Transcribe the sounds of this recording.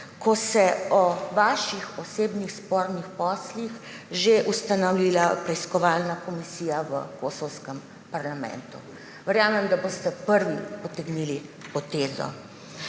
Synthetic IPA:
kʰɔsɛɔʋaːʃixɔseːbnixspɔːɾnixpɔːslix | ʒeʔust̪anawlilapɾɛiskɔʋaːlnakɔmisiːjaʋə̰kosɔwskɛm | paɾlamɛ̰nt̪ṵ | ʋɛɾjaːmɛmd̪abost̪ɛpəɾʋipɔt̪ɛɡnilipɔt̪ezɔ̰

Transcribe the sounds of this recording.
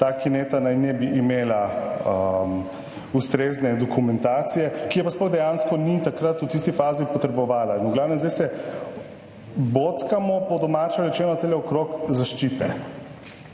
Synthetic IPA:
t̪aːkinet̪anajnɛbiʔimeːlaəm | ust̪ɾeːznɛd̪ɔkumɛnt̪aːt̪sijɛkijɛpasplɔɣd̪ɛjanskɔnit̪akɾat̪ut̪ist̪ifaːzipɔt̪ɾɛbɔʋaːlainuɡlaːwnɛmzd̪ɛjsɛ | bot̪kamɔpɔd̪ɔmat͡ʃɛɾɛt͡ʃɛːnɔt̪elɛɔkɾokzaʃt͡ʃit̪ɛ̰

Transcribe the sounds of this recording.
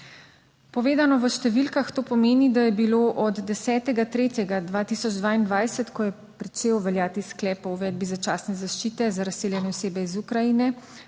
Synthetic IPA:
pɔʋeːd̪anɔʋəʃt̪ɛʋilkaxt̪oːpɔmeːnid̪ajɛbiloʔɔd̪ːɛsɛːt̪ɛɡat̪ɾeːt̪jɛɡad̪ʋaːt̪isɔd͡ʒd̪ʋaːind̪ʋajsət̪kɔjɛ | pɾit͡ʃeːwʋɛljaːt̪isklɛːpɔuʋɛːd̪̚bizat͡ʃaːsnɛzaʃt͡ʃit̪ɛzaɾaseːljɛnɛɔseːbɛizukɾajinɛ

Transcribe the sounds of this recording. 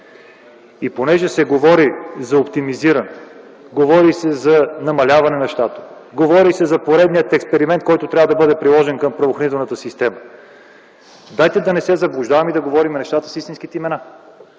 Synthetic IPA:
iponɛʒɛsɛɡovɔɾizɐopt̪imiziɾənɛ | ɡovɔɾisɛzɐnɐmɐlʲavɐnɛnɐʃt̪at̪o̥ | ɡovɔɾisɛzɐpoɾɛd̪nijət̪ɛkspɛɾimɛnt̪̚kɔjt̪ot̪ɾʲavəd̪ɐbɤd̪ɛpɾilˠɔʒɛnkɐmpɾɐvoxɾɐnit̪ɛlˠnət̪əsist̪ɛmə | d̪ajt̪ɛd̪ɐnɛsɛzɐblˠʊʒd̪avɐmid̪ɐɡovɔɾimɛnɛʃt̪at̪ə̥sist̪insk̟it̪ɛimɛna

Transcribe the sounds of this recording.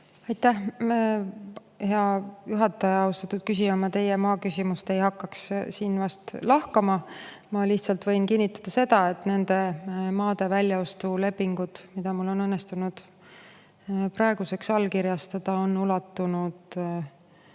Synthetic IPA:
ɑjt̪ːˑæh | he̞ɑjuɦɑt̪ːˑɑjɑɑust̪ɑt̪ːˑud̪̥kys̬ʲiɑmɑt̪e̞jemɑːkysʲimust̪e̞jɦɑkːɑkssiːnvɑst̪lɑhkɑmɑmɑliçt̪sɑlt̪vɤ̞jnkinʲːit̪ːˑɑd̪̥ɑse̞d̪̥ɑe̞t̪ːˑne̞nd̪̥e̞mɑːd̪̥e̞vælʲjɑo̞st̪ule̞pːiŋɡ̥ud̪̥mid̪̥ɑmulːo̞nɤnːest̪unud̪̥ | pɾɑeɡ̥use̞ksɑlkiɾjɑst̪ɑd̪̥ɑo̞nːulɑt̪ːunud̪

